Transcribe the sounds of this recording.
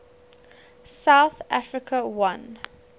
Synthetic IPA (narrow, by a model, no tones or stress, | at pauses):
saʊθʔafɹɪkʰəwãn